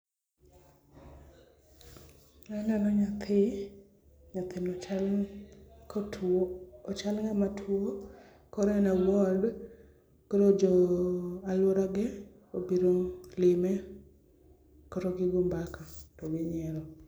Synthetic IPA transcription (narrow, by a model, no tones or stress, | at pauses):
ananɔɲat̪ʰɪ | ɲat̪ɪnɔl | ɔt͡ʃalŋamatʰwo | kɔɾnawɔd | kɔɾod͡ʒɔalɔɾaɡɛ | obiɾoŋlɪmɛ | kɔɾɔɡɪɡumbakatɔɡɪɲɛɾɔ